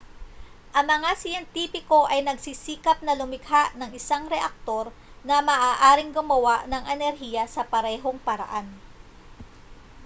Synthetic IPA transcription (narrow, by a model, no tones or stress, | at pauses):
ʔɐŋmɐŋasɪjɛnt̪iːpɪko̞ʔɐjnɐɡsisiːkɐp̚nɐlʊmɪɡhaʔnɐŋʔɪsaŋɾɛʔɐk̚t̪o̞ɾ | nɐmɐːʔaːʔaːɾɪŋɡʊmɐwaʔnɐŋʔɛnɛɾɦiːjɐsɐpɐɾɛːɦo̞ŋpɐɾɐ̰ʔan